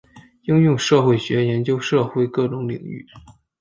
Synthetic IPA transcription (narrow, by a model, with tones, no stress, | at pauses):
i˥ŋjʊ˥˧ŋʂɤ˥˧xwe˥˩ɪɕɥɛ˧˥jɛ˧˥nt͡ɕjo˥ʊʂɤ˥˧xwe˥˧ɪkɤ˥˩ʈ͡ʂʊ˧˥ŋlḭ˨˩ŋy̰˥˩